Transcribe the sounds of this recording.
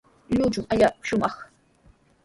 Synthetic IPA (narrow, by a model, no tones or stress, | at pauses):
ʎʊt͡ʃʊŋaʎaʃʊmɑχ